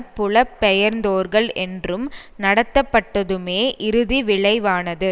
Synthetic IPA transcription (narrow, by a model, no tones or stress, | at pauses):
pːʊɭɐpːɛjɐɾnd̪oːɾɣɐɭɛndrɯmnɐɽɐt̪ːɐpːɐʈːɐðɯmeːʔɪɾɯðiʋɪɭɐɪʋaːnɐðɯ